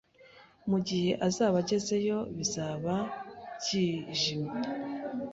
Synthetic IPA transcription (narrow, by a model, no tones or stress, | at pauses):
muɟihe̞ʔazaːβaɟe̞ze̞jo̞βizaːβaɟiːʒima